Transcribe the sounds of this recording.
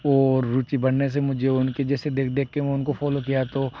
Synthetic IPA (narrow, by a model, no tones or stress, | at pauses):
ɔːɾːuːt͡ʃibɐɽnes̬emʊd͡ʒʱeʊnked͡ʒɛːsed̪eːkʰd̪eːkːeẽʊnkofɔːlok̬ijat̪o